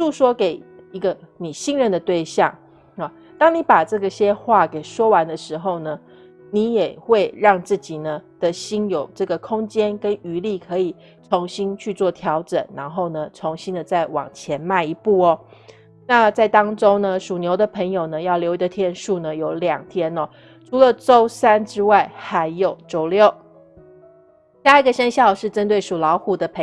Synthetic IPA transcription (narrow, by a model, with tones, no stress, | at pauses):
ʂu˥˧˩ʂwɔ˥ke˨˩ɪi˧˦˥ɡə˧ni˨˩ɕi˥ŋnɻə˥˩nd̪ə˩t̪we˥˧ɪɕjɑ̰˥˩ŋ | a˨˩ | t̪ɑ˥ŋni˧˥pa˨˩ʈ͡ʂɤ˥˩ɡə˩ɕjɛ˥xwa˥˩ke˨˩ɪʂwɔ˥wa˧˦nd̪ə˨ʂɻ̩˧˥xo˥˧ʊnə˩ | ni˧˥jɛ˨˩xwe˥˧ɪɻɑ˥˧ŋt͡sɹ̩˥˩t͡ɕi˨˩nə˦d̪̥ə˨ɕi˥njo˨˩ʊʈ͡ʂɤ˥˩ɡə˩kʰʊ˥ŋt͡ɕjɛ˥nkə˦ny˧˥li˥˩kʰɤ˧˥i˨˩ | t͡sʰo˧˥ŋɕi˥nt͡ɕʰy˥˧t͡swɔ˥˩t̪ʰjɑ˧˥ʊʈ͡ʂə̰˨˩nːa˧˥nxo˥˩ʊnə˩t͡sʰo˧˥ŋɕi˥nd̪ə˨t͡sa˥˩ɪwɑ̰˨˩ŋt͡ɕʰjɛ˧˥nma˥˩ɪi˧˥pu˥˩ɔ˨˩ | na˥˧t͡sa˥˩ɪt̪ɑ˥ŋʈ͡ʂo˥nə˨ʂu˨˩njo˧˥ʊd̪ə˨˧pʰə˧˥ŋjo˨˩ʊnə˩jɑ˥˩ʊljo˧˥ʊi˧˥də˧t̪ʰjɛ˥˧nʂu˥˧nə˩jo˧˥ʊljɑ˨˩ŋt̪ʰjɛ˥nɔ˨ | ʈ͡ʂʰu˧˥lə˨ʈ͡ʂo˥ʊsa˥nʈ͡ʂɻ̩˥wa˥˩ɪxa˧˦˥ɪjo˨˩ʊʈ͡ʂo˥ʊljo˥˨˩ʊ | ɕa˥˧i˧˩ɡə˨ɕə˥nɕjɑ˥˧ʊʂɻ̩˥˩ʈ͡ʂə˦˥nt̪we˥˩ɪʂu˨˩lɑ˧˥ʊxu˨˩d̪ə˧˦pʰ